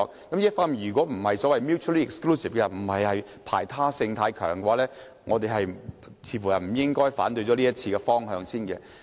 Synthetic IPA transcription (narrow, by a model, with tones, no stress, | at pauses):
ɔ˧kkɐ˨˥mjtfɐ˥mjyː˨˩k̬ɔː˨˥m̩˨˩hɐ˨jsɔː˨˥wɐ˨jmjuː˥tt͡ʃʰu˥liː˥ɪ˨kskluː˥si˨fkɛ˧m̩˨˩hɐ˨jhɐ˨j | pʰa̰ː˨˩jt̪ʰaː˥sɪ˧ŋt̪ʰaː˧˥jkʰœ̰ː˨˩ŋkɛ˧waː˧˥lɛː˥ | ŋɔː˨˧t̪e˨jɦɐ˨j | t͡sʰiː˨˧˥fu˨˩jɐ˨˩m̩˨˩jɪ˥ŋkɔː˥jfa̰ː˨˥nt̪ɵ˧ɥt͡sɔ˨˧liː˥ɐ˥t̚t͡sʰiː˧kɛ˧fɔː˥ŋɦœː˧ŋsiː˥nkɛ̰˧